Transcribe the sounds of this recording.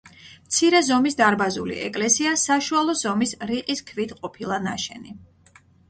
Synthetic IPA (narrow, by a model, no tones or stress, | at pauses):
mt̪sʰiɾɛzɔmisd̪aɾbazṵlḭʔɛ̰kʼlɛsiasaʃualˠɔz̥ɔmisɾiqʼiskʰvit̪ʰqʼɔpʰilˠana̰ʃɛni